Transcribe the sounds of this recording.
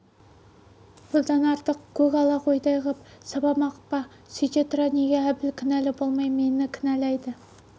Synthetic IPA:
b̥ʊlˠd̪ɑnɑɾt̪əqkʲʰɵkɑlˠɑqʰojd̪ɑjʁəp̚sɑbɑmɑqə̥pːɑ | sit̪et̪ɾaneɡʲeæbɪlkʲʰɪnælɪbo̞lˠmɑjme̞nɪkʲʰɪnælæjd̪ɪ

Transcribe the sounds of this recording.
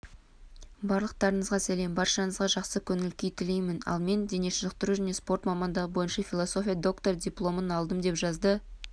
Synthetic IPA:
bɑɾlˠəq̚t̪ɑɾənəzʁɑsæle̞mbɑɾʃɑnəzʁɑʒɑqsəkʲʰɵnɪlkʲejt̪ʰɪlejmɪnɑ̰lˠme̞nd̪e̞neʃɪʒəq̚t̪əɾuʒæne̞spo̞rt̪mɑmɑnd̪ɑʁəbo̞jənʃɑfʲilˠoso̞fʲijɑd̪o̞kt̪o̞rd̪ʲijplˠo̞mənɑlˠd̪əmd̪e̞pʒɑzd̪ə

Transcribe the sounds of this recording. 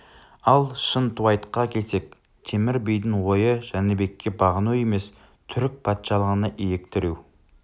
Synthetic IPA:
ɑlˠʃənt̪ʰuɑjt̪qɑkʲʰe̞lse̞k̚ | t̪ʰe̞mɪɾbijd̪ɪŋwo̞jəʒænebe̞kʲːe̞bɑʁənuwe̞me̞s | t̪ʰʏɾɪk̚pʰɑt̪ʃɑlˠəʁənəʔijek̚t̪ɪɾuw

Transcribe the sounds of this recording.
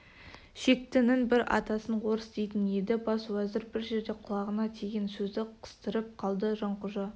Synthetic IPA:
ʃe̞k̚t̪ɪnɪnbɪɾɑ̰t̪ɑsəɴwo̞ɾəsd̪ejt̪ɪne̞d̪ɪbɑswæzɪɾbɪɾʒe̞ɾd̪e̞qʰʊlˠɑʁənɑt̪ʰeɡʲensɵzd̪ɪqʰə̥st̪əɾəp̚qʰɑlˠd̪əʒɑɴqʊʒɑ

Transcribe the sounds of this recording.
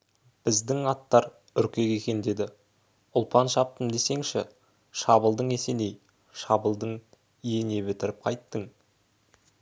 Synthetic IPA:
b̥ɪzd̪ɪŋɑt̪ːɑɾ | ʏɾkʲe̞kʲe̞kʲe̞nd̪e̞d̪ɪ | ʊlˠpɑnʃɑp̚t̪əmd̪e̞se̞ŋʃɪ̰ | ʃɑbəlˠd̪əɴe̞se̞nej | ʃɑbəlˠd̪əɴ | ijene̞bɪt̪ɪɾɪp̚qʰɑjt̪ːəɴ

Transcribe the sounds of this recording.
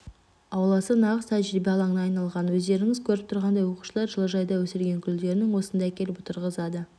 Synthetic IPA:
ɑwlˠɑsənɑʁəst̪ʰæʒɾibeɑlˠɑɴənɑːjnɑlˠʁɑnwɵzd̪e̞ɾɪŋɪzkʲʰɵɾɪp̚t̪ʰʊɾʁɑnd̪ɑjwo̞qu̥ʃəlˠɑɾʒəlˠəʒɑjd̪ɑwɵsɪɾɡʲe̞ŋkʲʰʏld̪e̞ɾɪnɪŋwo̞sənd̪ɑækʲe̞lɪpʊt̪ʰəɾʁəzɑd̪ə

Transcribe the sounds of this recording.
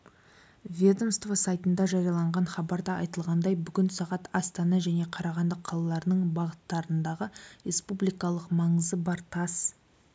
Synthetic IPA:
vʲed̪o̞mst̪vasɑjt̪ənd̪ɑʒɑɾijɑlˠɑɴʁɑnχɑbɑɾd̪ɑɑjt̪əlˠʁɑnd̪ɑjbʏɡʲɪnsɑʁɑt̪ɑst̪ɑnɑʒæne̞qʰɑɾɑʁɑnd̪əqʰːɑlˠɑlˠɑɾənəɴbɑʁət̪ːɑɾənd̪ɑʁəɾe̞spublijkɑlˠəqmɑɴəzəbɑɾt̪ʰɑs

